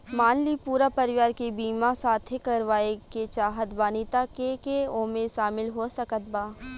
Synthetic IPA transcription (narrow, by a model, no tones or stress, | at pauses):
maːnlipuːɾapɐɾɪʋaːɾkebiːmasaːt̪ʰekɐɾʋaːeket͡ʃaːɦət̪baːnit̪akekeõːmeʃaːmɪlɦosɐkət̪̚baː